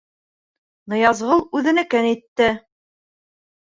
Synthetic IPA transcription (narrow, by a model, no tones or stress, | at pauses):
nɤ̆jɑzʁɤlˠʉðɘ̆nɘ̆kɘnit̪ːɘ